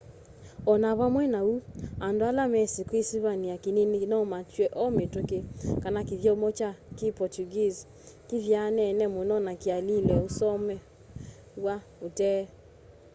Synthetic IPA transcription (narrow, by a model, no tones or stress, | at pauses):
ɔnaβamwɛnauandalamɛsikwesiβaniakeneninɔmatwɛʔɔmetokekanakeðjɔmɔt͡ʃakepɔtuɡiz | keβjanɛnɛmonɔnakealilɛosɔmɛ | wa | otɛ